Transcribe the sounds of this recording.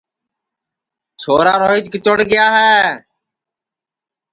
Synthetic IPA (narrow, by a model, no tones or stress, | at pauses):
sʰoːɾaːɾoːiːt̪kɪt̪əɽɡɪjaːɦɛː